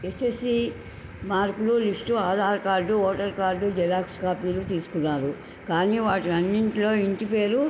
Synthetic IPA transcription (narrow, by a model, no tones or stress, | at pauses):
esesi | maːɾkululisʈuaːd̪ʱaːɾkaːɾɖuoːʈɐɾkaːɾɖud͡ʒɛlaːkskaːpiːlut̪iːsu̥kunːaːɾu | kaːniːʋaːʈilɐnːiɳʈilo̞ːiɳʈipe̞ːɾu